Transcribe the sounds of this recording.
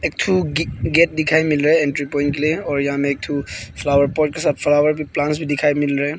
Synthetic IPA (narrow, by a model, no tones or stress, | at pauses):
ek̚t̪ʰuɡeʈ̚d̪ɪkʰajmɪlɾaɛẽnʈɾipɔj̃nkelieɔːɾjɐɦãmeeːk̚t̪ʰufʰlawəɾpɔʈkesat̪̚fʰlawəɾbʱiplãnsbʱid̪ɪkʰajmɪlɾaɦe